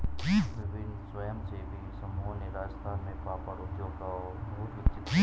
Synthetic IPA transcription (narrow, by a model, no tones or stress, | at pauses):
ʋɪbɪnsʋəjəmt͡ʃebisɐmuɦneɾaːd͡ʒəst̪ʰaːnmẽpaːpəɾʊd̪joːɡka | bɐɦʊt̪ʊt̪t͡ʃʰit̪ː